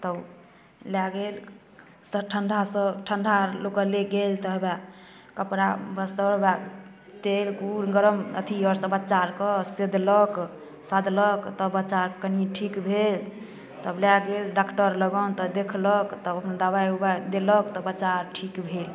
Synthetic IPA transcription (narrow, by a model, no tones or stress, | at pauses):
t̪ə | laɡel | səʈʰəɳɖʱasəʈʰəɳɖʱalokəɾleɡelt̪ɔɦba | kəpɾabəst̪əba | t̪elkuɾɡəɾəmət̪ʰiɔɾsə̃bətːt͡ʃaɾkəsed̪ʱlɔk | sad̪ʱləkt̪ɔbət͡ʃaɾkəniʈʰikbʱel | t̪əblaɡelɖakʈəɾləɡɔnt̪ɔd̪ekʰlɔkt̪ɔəpnd̪abajubad̪eləkt̪ɔbət͡ʃaɾʈʰikbʱel